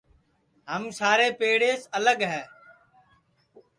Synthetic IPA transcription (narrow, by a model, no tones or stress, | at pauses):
ɦəmsaːɾeːpeːɽeːsələɠɦɛː